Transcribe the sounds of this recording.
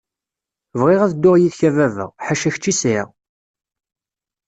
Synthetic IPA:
vʁɪʁæðəd̪ːʊʁjiðçævævə̰ʁħaʃæçt͡ʃːisiʁ

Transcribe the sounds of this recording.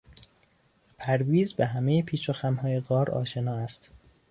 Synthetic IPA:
pʰæɾviːzbeɦæme̞jepʰiːt͡ʃʰoxæmhɒːjeɣɒːɾɒ̰ːʃe̞nɒːæst̪

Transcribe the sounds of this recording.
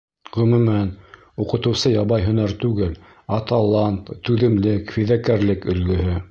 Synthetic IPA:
ʁɵ̆mʉ̆mæn | uqɤ̆t̪ɤ̆wsɤjɑβɑjɦɵ̆næɾt̪ʉɡɘl | ɑt̪ɑlˠɑnt̪t̪ːʉðɘ̆mlɘkfiðækæɾlɘkɵ̆lɡɵ̆ɦɘ

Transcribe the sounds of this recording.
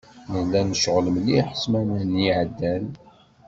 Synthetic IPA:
nəlːænʃəʁləmliħə̥smænæniʕəd̪ːæn

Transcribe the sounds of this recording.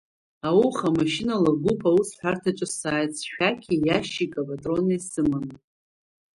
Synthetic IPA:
awuχamaʃinalaɡʷupʰawusħʷartʰat͡ʃʷʼɨsaːjt͡sʰʼʃᶣakʲʰijaʃikʼapʼatʼronajsɨman

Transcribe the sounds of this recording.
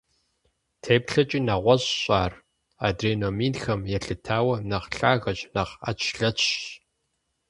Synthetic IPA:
tʰeːpɬɐt͡ʃʼiːnɐʁʷɔʑɕʼaːr | aːdreːnoːmiːnxɐmjɛɬɨtʰaːwɐnɐʁɬaːɣɐɕʼnɐʁa̰t͡ʃʰɬɐt͡ʃɕ

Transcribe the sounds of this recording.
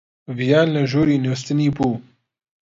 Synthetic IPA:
vijaːnlɐʒoːɾiːnost̪ɨniːbuː

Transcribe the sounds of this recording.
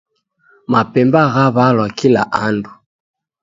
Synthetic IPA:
mapɛmbaɣaβalwakila̰ʔandu

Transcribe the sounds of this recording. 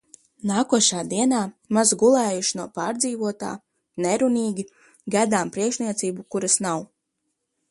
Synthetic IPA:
naːkuɔʃaːd̪iɛnaːmazɡulˠɛːjuʃinuɔpaːɾd̪ziːvuɔt̪a̰ː | nɛɾuniːɡʲi | ɡad̪aːmpɾiɛkʃniɛt̪siːbukuɾasnaw

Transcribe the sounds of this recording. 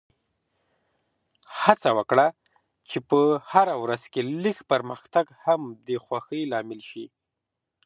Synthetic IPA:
hat͡sawəkɽa | t͡ʃepəhaɾawɾaz̥kelixpəɾməxt̪aɡhamd̪əxwaxəjlɑmɪlʃi

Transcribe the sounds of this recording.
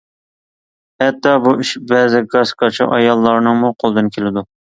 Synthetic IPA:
hɛt̪ːɑbuiʃbɛːzɪɡɑskʰɑt͡ʃʰiʔɑjɑlˠːɑɾnɨŋmuqʰolˠd̪ɨnkʲʰelɪd̪u

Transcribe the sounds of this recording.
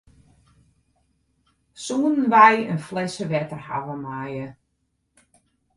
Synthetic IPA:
suːnənʋajənflɛsəʋɛtərha̰ʋəmajə

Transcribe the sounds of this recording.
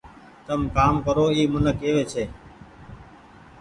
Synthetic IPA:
t̪əmkaːmkəɾoːiːmʊnəkeːʋeːt͡ʃʰeː

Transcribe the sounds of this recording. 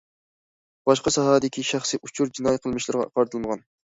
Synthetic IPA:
b̥ɑʃqɑsɑɦɑːd̪ɪkʲiʃæχsɨʔut͡ʃʰuɾd͡ʒinɑjqʰəlˠmɨʃlˠɨɾʁɑ̰qɑɾt̪ʰɨlˠməʁɑn

